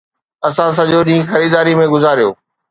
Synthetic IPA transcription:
ɐsãs̬ɐʄoɗĩːxɐɾiːd̪aːɾimẽɡʊzaːɾijo̰ː

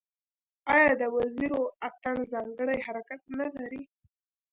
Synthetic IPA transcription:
ɑjɑd̪əwaziɾoak̚t̪anzɑŋɡəɽajɦaɾakat̪̚nalaɾi

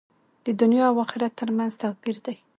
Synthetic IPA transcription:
d̪̥əd̪ʊnjɑawɑxɪɾat̪ːəɾmanzt̪aqbiɾd̪aj

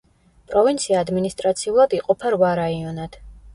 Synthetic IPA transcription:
pʼɾɔvint̪sʰiaːd̪minist̪ʼɾat̪sʰiulˠad̪iqʼɔpʰaɾvaɾaiɔnad̪̥

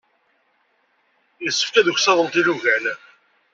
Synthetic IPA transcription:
jəsːə̥fkæðuçsæðˤəlt̪iluʝæl

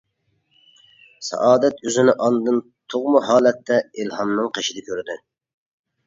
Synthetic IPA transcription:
sɑ̰ʔɑːd̪ɛt̪øzɪnɪʔɑnd̪ɨn | t̪ʰoʁmuɦɑːlɛt̪ːɛilhɑmnɨŋqʰeʃid̪ɛkʲʰøɾd̪ɪ

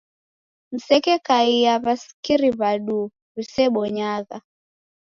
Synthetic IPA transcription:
m̩sɛkɛkaijaβasi̥kiɾiβaɗu | βisɛɓɔɲaɣa

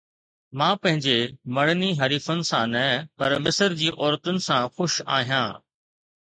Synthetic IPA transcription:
mãːpɐ̃ɦɪ̃ɲd͡ʑemɐɽniɦɐɾiːfʊnɪ̆sãnɐpɐɾmɪsəɾd͡ʑiːʔɔːɾt̪ʊnɪ̆sãxʊʃa̰ːɦijã̰ː

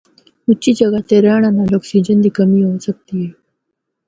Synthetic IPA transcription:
ut͡ɕiːd͡ʑəɡat̪eɾaɳ̃analɔksid͡ʑənd̪iːkəmiːɦosək̚t̪ie

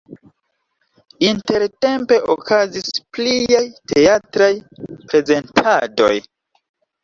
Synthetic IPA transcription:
inte̞ɾte̞mpe̞ʔo̰kʰazispliajte̞atɾajpɾe̞ze̞ntʰado̞̰j

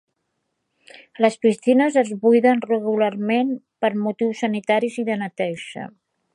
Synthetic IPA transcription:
ləspist̪inəzəzβujðənrəɣulaɾmen | pəɾmut̪iwsːənit̪aɾiziðənət̪ɛʒə̰

